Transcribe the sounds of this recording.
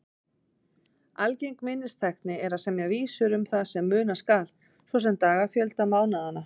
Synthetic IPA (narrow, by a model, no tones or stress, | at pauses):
alcejŋkmɪnːɪst̪ʰaxt̪nɪɛɾaðsɛmjɛɣviːsʏɾʏmθaðsɛmːʏːnaskaːl | svɔs̬ɛmt̪aːɣafjœlt̪amaːwnaðana